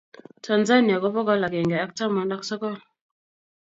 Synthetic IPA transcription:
tʰa˨nza˦ni˨a˨kɔ˦pɔ˦kɔ˦la˨kɛ˨ŋɡɛ˨a˦k̚ta˦mɔ˨nɗa˦ksɔ˦kɔ˦˨l

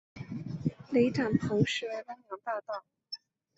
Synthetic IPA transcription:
le˧˥ɪʈ͡ʂa˨˩npʰo˧˥ʊʂɻ̩˧˥˩wə˥njɑ˧˥ŋt̪ɑ˥˧ʊt̪ɑ˥˩ʊ

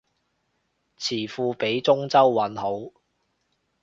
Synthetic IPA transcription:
t͡sʰiː˨˩fuː˧pe˨˥jt͡sʊ˥ŋt͡sɐ˥wːɐ˨˥nho˨˥w

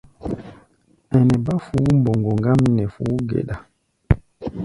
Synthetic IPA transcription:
ɛ˨nɛ˨ba˦fu˨˦mbo˨ŋɡo˨ŋɡa˦mnɛ˨fu˨˦ɡḛ˨ɗa˨

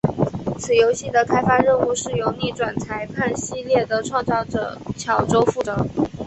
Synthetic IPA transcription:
t͡sʰɹ̩˨˩jo˧˥ʊɕi˥˩d̪ə˩kʰa˥ɪfa˥ɻə˥˧nu˥˧ʂɻ̩˥˩jo˧˥ʊni˥˩ʈ͡ʂwa˨˩nt͡sʰa˧˥ɪpʰa˥˩nɕi˥ljɛ˥˩d̪ə˩ʈ͡ʂʰwɑ˥˧ŋt͡sɑ˥˩ʊʈ͡ʂɤ̰˨˩t͡ɕʰjɑ˨˩ʊʈ͡ʂo˥ʊfu˥˩ʈ͡ʂɤ˧˩˦

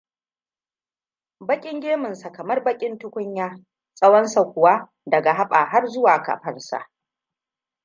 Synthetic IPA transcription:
bɐ˦kʲʼɪ˦ŋɡʲeː˦mʊ˨nsa˨kɐ˨mɐ˦rbɐ˦kʲʼɪ˦ntʊ˦kʷʊ˦ɲjaː˦ | sʼɐ˦wɐ˦nsa˨kʷʊ˨wa˦ | dɐ˨ɡa˨ɦa˦ɓaː˨ɦa˦rzʊ˦waː˨ka̰˨ɸɐ˦rsa̰˨ʔ

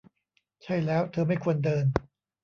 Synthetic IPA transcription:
t͡ɕʰa˥˩jlɛː˦˥wt̪ʰɤː˧ma˥˩jkʰu˧əndɤː˧n

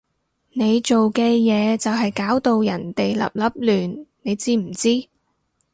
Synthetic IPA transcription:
ne˨˧jt͡ʃo˨wkɛː˧jɛː˨˧t͡sɐ˨wɦɐ˨jkaː˨˥wt̪o˨˧wjɐ˨˩nt̪e˨jlɐ̰˨p̚lɐ˨˥p̚lyː˨nne˨˧jt͡siː˥m̩˨˩t͡siː˥

